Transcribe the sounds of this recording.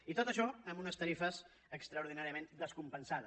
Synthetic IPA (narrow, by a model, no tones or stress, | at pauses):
it̪ot̪əʃɔəmbunəst̪əɾifəz | əkst̪ɾəuɾðinaɾiəmẽnd̪əskumpənsaðə